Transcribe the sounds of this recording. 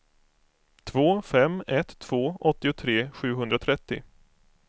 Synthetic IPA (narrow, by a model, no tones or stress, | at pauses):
t̪ʰvoːfɛmːɛt̪ʰːv̥oːʔɔt̪ːɪʊt̪ʰɾeːɧʉ̟ːɦɵnd̪ɾat̪ʰɾɛt̪ːɪ̰